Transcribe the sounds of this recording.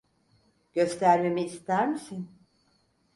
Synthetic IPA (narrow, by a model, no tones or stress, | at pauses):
ɟ̥ø̞st̪ʰæɾme̞miːst̪ʰæɾmisin